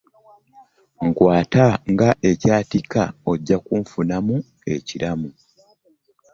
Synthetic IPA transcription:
ŋkwaːtaŋɡaʔe̞caːtikao̞ɟːakuɱfunamu | e̞cilamu

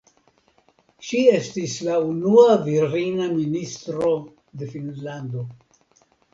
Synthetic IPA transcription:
ʃie̞stislaunuaviɾinaministɾo̞ | d̪e̞finlando̞

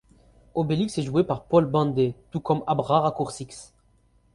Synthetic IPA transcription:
obeliksɛʒuepaʁpɔlbɑ̃nd̪et̪ukɔmabʁaʁakuʁsiks

